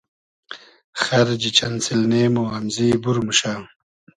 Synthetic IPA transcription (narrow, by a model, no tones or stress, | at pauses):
xaɾd͡ʒit͡ʃansilneːmoamzibuɾmuʃaː